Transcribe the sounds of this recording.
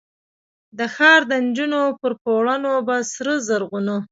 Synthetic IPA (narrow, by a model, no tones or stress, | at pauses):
d̪əxɑɾd̪ənd͡ʒunopəɾpoɽanobasɾəzəɾɣunu